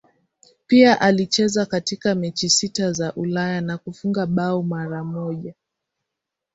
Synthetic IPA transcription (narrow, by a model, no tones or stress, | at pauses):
piaʔalit͡ʃɛzakatikamɛt͡ʃisitazaʔulajanakufuŋɡaɓaɔmaɾamɔʄa